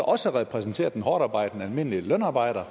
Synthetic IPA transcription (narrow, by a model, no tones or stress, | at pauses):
ʔɒ̽səʁɛpʰʁɛsn̩t͡sʰe̝̰ːɐd̥enɦɒːɾ̥ɑ̈ːb̥ɑ̈ɪ̰d̥enælme̝n̰əlilœnɑ̈ːb̥ɑ̈ɪ̰ɾ̥ɐ